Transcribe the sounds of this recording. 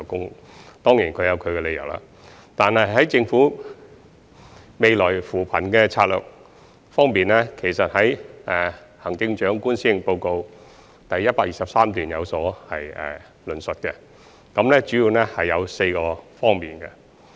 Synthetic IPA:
kʊ˥ŋ | t̪ɔː˥ŋjiː˨˩nkʰɵ˨˧ɥjɐ˨˧wkʰɵ˨˧ɥkɛ˧le˨˧jɐ˨˩wla̰ː˨ | t̪aː˨nhɐ˨jɦɐ˨˥jt͡sɪ˧ŋfuː˨˥ | me˨˧jlɔː˨˩jfuː˨˩pʰɐ˨˩nkɛː˧t͡sʰaː˧t̚lœ̰ː˨k̚ | fɔː˥ŋpiː˨nɛː˥kʰe˨˩jsɐ˨t̚hɐ˨˥jʔɛ˨hɐ˨˩ŋt͡sɪ˧ŋt͡ʃœː˨˥ŋkuː˥nsiː˥po˧wko˧w | t̪ɐ˨jːɐ˥t̚paː˧k̚jiː˨sɐ˨p̚saː˥mt̪yː˨˩njɐ˨˧wsɔː˨˥hɐ˨jɛ̰˨ | lɵ˨˩nsɵ˨t̚kɛ˧ | kɐ˨˥mnlɛː˥t͡ʃyː˨˥jiː˨˧wnɛ˥hɐ˨jːɐ˨˧wse˧jkɔː˧fɔː˥ŋmiː˨˩nkɛ˧

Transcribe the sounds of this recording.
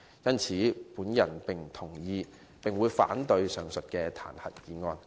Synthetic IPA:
jɐ˥nt͡sʰiː˨˥puː˨˥njɐ˨˩npɪ˨ŋt̪ʰʊ˨˩ŋjiː˧ | pɪ˨ŋwuː˨˧jfa̰ː˨˥nt̪ɵ˧ɥsœː˨ŋsɵ˨t̚kɛː˧t̪ʰa̰ː˨˩nhɐ̰˨˩t̚jiː˨˧ŋɔː˧n

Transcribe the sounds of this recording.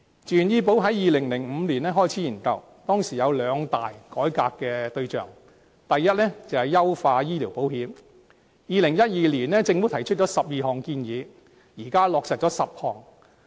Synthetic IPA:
t͡ʃyː˨njiː˧p̬o˨˥wɦɐ˨˥jjiː˨˧lɪ˨˩ŋlɪ˨˩ŋm̩˨˧liː˨˩nɛː˥ɦɔː˥˩jt͡sʰiː˨˥jiː˨˩nkɐ̰˨˧w | t̪ɔː˥ŋsiː˨˩jɐ˨˧wlœː˨˧ŋt̪a̰ː˨jkɔː˨˥jkaː˧kːɛ˧t̪ɵ˧ɥt͡ʃœ̰ː˨˩ŋ | t̪ɐ˨jːɐ˥t̚lɛ˥t͡sɐ˨whɐ˨jɐ˥wfaː˧jiː˥liː˨˩wpo˨˥whiː˨˥m | jiː˨˧lɪ˨˩ŋjɐ˥t̚jiː˨˧liː˨˩nlɛː˥t͡sɪ˧ŋfu˨˥t̪ʰɐ˨˩jt͡ʃʰɵ˥t̚t͡ʃɔː˨˥sɐ˨p̚jiː˨˧ɦɔː˨ŋkiː˧njiː˨˧ | jiː˨˩kaː˥lɔː˨˧k̚sɐː˨k̚t͡ʃɔː˨˥sɐ˨p̚hɔː˨˩ŋ

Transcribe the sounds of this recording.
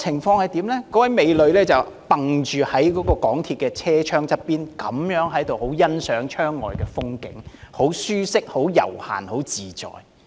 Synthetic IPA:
t͡sʰɪ˨˩ŋfɔː˧ŋhɐ˨jt̪iː˨˥mlɛː˥kɔː˨˥wɐ˨˥jme˨˧jlɵ˨ɥlɛː˥t͡sɐ˨w | pɐ˨ŋt͡ʃyː˨hɐ˨˥jkɔː˨˥kɔː˧kɔː˨˥ŋt̪ʰiː˧t̚kɛː˧t͡sʰɛː˥t͡ʃʰœː˥ŋt͡sɐ˥t̚piː˥nkɐ˨˥mjœː˨˥ŋɦɐ˨˥jt̪o˨who˨˥wjɐ˥nsœː˨˥ŋt͡ʃʰœː˥ŋːɔ̰ː˨jkɛː˧fʊ˥ŋkɪ̰˨˥ŋho˨˥wsyː˥sɪ˥k̚ho˨˥wjɐ̰˨˩wha̰ː˨nho˨˥wt͡siː˨˩t͡sɔ̰ː˨j

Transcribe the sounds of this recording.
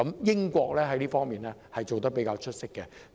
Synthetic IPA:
ɐ˨˦mjɪ˥ŋkʷɔː˧k̚lɛː˥ɦɐ˨˦jliː˥fɔː˥ŋmiː˨˩nlɛː˦˥hɐ˨jt͡so˨wt̪ɐ˥k̚pe˨˥kaː˧wt͡ʃʰɵ˥t̚sɪ˥kːɛ˨

